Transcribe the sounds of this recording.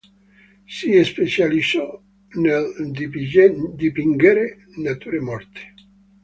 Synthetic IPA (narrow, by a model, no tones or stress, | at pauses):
siespet͡ʃalisɔ | neld̪ | d̪ipiŋɡeɾe | nat̪uɾemɔrt̪e̥